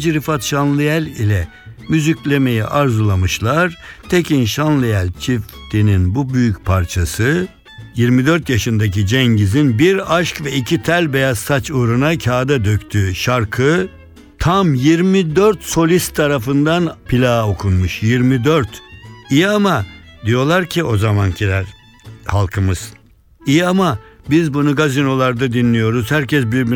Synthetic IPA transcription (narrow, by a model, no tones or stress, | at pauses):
d͡ʒɾifat̪ʃanlˠɯjælʲilʲɛ | myzycʲlʲemejiʔaɾzɯlˠamɯʃlˠaɾt̪ʰecʰinʃanlˠɯjælʲt͡ʃʰift̪ʰininbubyjycpʰaɾt͡ʃʰasɯ | jiɾmid̪øɾt̪jaʃɯnd̪acid͡ʒɛɲɟizinbiɾaʃkvɛicʰit̪ʰælʲbejazsat͡ʃʰuɾunacʰaːd̪ad̪øct̪ʰyʃaɾkʰɯ | t̪ʰamjiɾmid̪øɾt̪so̞lʲist̪ʰːaɾafɯnd̪anpʰilʲaːokʰunmuʃjiɾmid̪øɾt̪ijamad̪ijo̞lˠaɾcʰio̞zamancʰilʲæɾ | halˠkʰɯmɯz̥ | ijamabizbunuɡazino̞lˠaɾd̪ad̪inːʲijo̞ɾuzhæɾcʰɛs̬biɾb